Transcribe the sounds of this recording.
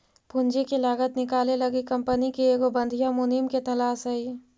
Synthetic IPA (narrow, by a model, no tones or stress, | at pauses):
pʊnd͡ʒekelaːɡət̪nɪkaːlelɐɡikɐmpənikeeːɡobə̃nd̪ʱijamʊnimket̪ɐlaːsɦɐi